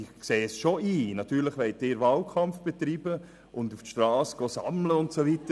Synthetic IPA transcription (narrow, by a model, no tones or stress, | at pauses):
ɪkseːsʃoiːnɑtyːɾləχʋɛɪt̚ɪːɾʋɑːlkʰɑmfb̥et̪ɾiːbə | ʊnduftʃtɾɑːsɡ̥osɑ̰mləʊntsoʋitə